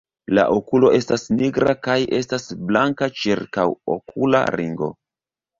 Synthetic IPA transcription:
la̰ʔokulo̞ʔe̞stasniɡɾakajʔe̞stasblaŋkat͡ʃiɾkawo̰kʰula̰ɾiŋɡo̞̰

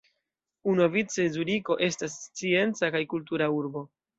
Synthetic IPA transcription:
unovit͡sezudiko̞ʔe̞stast͡sie̞nt͡sakajkult̬uɾauɾbo̞

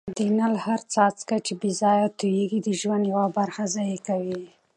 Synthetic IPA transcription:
d̪inalhaɾt͡sɑt͡skat͡ʃebizɑjat̪ujeɡid̪əʒwand̪jawabaɾxazɑjekawi

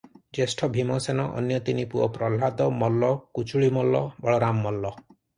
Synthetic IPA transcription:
d͡ʒesʈʰɔbʱimɔsenɔʔɔ̰njɔt̪inipuɔpɾɔlad̪ɔmɔlːɔkut͡ʃʰuɭimɔlːɔbɔɭɔɾamːɔlːɔ

